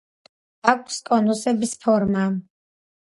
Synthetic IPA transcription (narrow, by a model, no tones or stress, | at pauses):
akʷʰskʼɔnusɛbispʰɔɾma